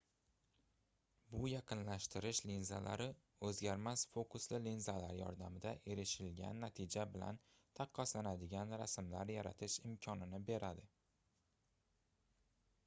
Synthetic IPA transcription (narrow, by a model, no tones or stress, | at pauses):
bʊjɑqɨnlaʃt̪ʰɪɾɪʃlinza̰la̰ɾɪ | ɵzɡʲaɾmasfokʊslɪlinzalaɾjɒ̰ɾd̪amɪd̪aʔe̞ɾɪʃɪlɡʲa̰nːat̪ʰɪd͡ʒabɪla̰n | t̪ʰɑqʰːɑslanad̪ɪɡʲanɾasmlaɾjaɾat̪ʰɪʃɪmkʲʰɒnɪnɪbe̞ɾad̪ɪ